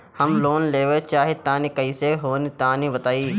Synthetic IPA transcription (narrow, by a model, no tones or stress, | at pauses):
həmloːnleːʋet͡ʃaːɦet̪aːnikəiseɦoːnit̪aːnĩbət̪aːiː